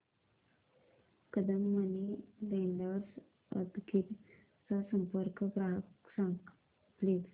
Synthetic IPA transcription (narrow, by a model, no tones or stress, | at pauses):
kəd̪əmːənileɳɖəɾs | ə̰t̪kit̪ | t͡sasəmpəɾkəpɾaksãŋk | ples